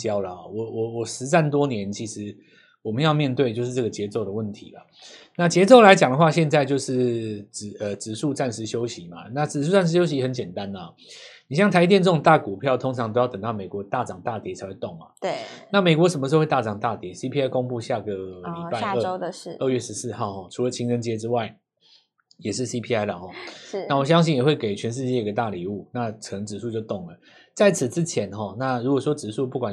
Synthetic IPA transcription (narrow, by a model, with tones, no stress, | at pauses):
t͡ɕjɑ˥ʊlə˨˩hɔ˥˩wɔ˨˩wɔ˨˩wɔ˨˩ʂɻ̩˧˦t͡sa˥˩nt̪̬wɔ˥njɛ˧˦nt͡ɕʰi˧˥ʂɻ̩˧˦ | wɔ˨˩mə˦njɑ˥˧ʊmjɛ˥˧nt̪we˥˧ɪt͡ɕjo˥˧ʊʂɻ̩˥˧˩ʈ͡ʂɤ˥˩ɡə˩t͡ɕjɛ˧˥t͡so˥˩ʊd̪ə˩wə˥˩nt̪ʰḭ˨˦lɐ̰˨ | na˥˩t͡ɕjɛ˧˥t͡so˥˩ʊla˧˥ɪt͡ɕjɑ˨˩ŋd̪ə˩xwa˥˧ɕjɛ˥˧nt͡sa˥˧ɪt͡ɕjo˥˧ʊʂɻ̩˥˩t͡sɻ̩˨˩ə˨˩t͡sɻ̩˨˩ʂu˥˧t͡sa˥˩nʂɻ̩˧˥ɕjo˥ʊɕi˨˦ma̰˨˩na˥˩t͡sɻ̩˨˩ʂ̬u˥˧t͡sa˥˧nʂ̬̩˧˥ɕjo˥ʊɕ̬i˧˥xə˨˦nt͡ɕjɛ˨˩nt̪a˦nlə˩˨˩ni˨˩ɕjɑ˥˩ŋt̪ʰa˧˥i˧t̪jɛ˥˧nt͡so˧˩ŋt̪a˥˩ku˨˩pʰjɑ˥˩ʊt̪ʰo˥ŋʈ͡ʂʰɑ˧˦ŋt̪o˥ʊjɑ˥˩ʊt̪ŋt̪ɑ˥˩ʊme˨˩kwɔ˨˧˥t̪a˥˩t͡sɑ˨˩ŋt̪a˥˩t̪jɛ˧˥t͡sʰa˧˥ɪxwe˥˧ɪo˥˩ŋma̰˩t̪e˥˩na˥˩me˨˩ɪkwɔ˧˥ʂ̬ə˧nmə˧˥˧we˥˧t̪a˥˩ʈ͡ʂɑ˨˩ŋt̪a˥˩t̪jɛ˧˥si˥pʰi˥a˥ɪko˥ŋpu˥˧ɕja˥˩ɡə˩li˨˩pa˥˧ɪ˥ə˥˧˩ə˥˧ɥɛ˥˩ʂɻ̩˧˦sɹ̩˥˧xɑ˥˩ʊxɔ˥˩ʈ͡ʂʰu˧˥lə˨t͡ɕʰi˧˥ŋə˥nt͡ɕjɛ˥ʈ͡ʂɻ̩˥wa˥˩ɪ | jɛ˨˩ʂɻ̩˥˩si˦˥pʰi˥a˥ɪlə˨˩xɔ˥˩˧a˥˩wɔ˨˩ɕ̬jɑ˥ŋɕ̬i˥˨njɛ˨˩xwe˥˩ke˨˩ɪt͡ɕʰɥɛ˧˦nʂ̬ɻ̩˥˧t͡ɕjɛ˥˩i˧ɡə˨˩t̪a˥˩li˨˥u˥˩na˥˩ʈ͡ʂʰə˨˩˧ŋʈ͡ʂɻ̩˨˩ʂ̬u˥˧t͡ɕjo˥˧ʊt̪o˥˩ŋlə˩ | t͡sa˥˩ɪt͡sʰɹ̩˨˩t͡sɻ̩˦t͡ɕʰjɛ˧˦nxɔ˥˩na˥˩ɻu˧˥kwɔ˨˩ʂwɔ˦˥ʈ͡ʂɻ̩˨su˥˧p̬u˥˩kwa˨˩n